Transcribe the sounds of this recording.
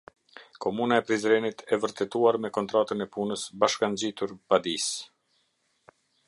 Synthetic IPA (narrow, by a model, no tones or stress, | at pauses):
kɔmunaɛpɾizɾɛnit̪ʰɛvəɾt̪ɛt̪uaɾmɛkɔnt̪ɾat̪ənɛpunəsbaʃkand͡ʑit̪uɾpad̪is